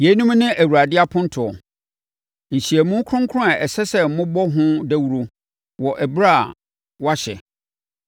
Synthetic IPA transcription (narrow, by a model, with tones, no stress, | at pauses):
je˨˦nũ˦mnɪ̃˦ʔæ˨wu˨ɾa˨dɪ˦a˦pʰʊ̃˦n̩˦tʰʊ˨ɔ˨ | n̩˨ɕi˨æ˨mũ˦kʰɾʊ̃˦ŋkʰʊ˦ʊ̃˦a˨ʔɛ˨sɛ˦sɛ˦m̩˨mʊ̃˦bɔ˦ɦʊ̃˦dæ˦wu˦ɾo˨ | wɔ˨ʔæ˨bɾa˦˨ | wa˦ɕɛ̰˨